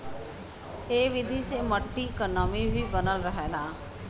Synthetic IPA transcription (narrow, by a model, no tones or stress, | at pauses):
eːʋɪd̪ʱiseməʈːikənɔːmibʱibənəlɾəɦeːlãː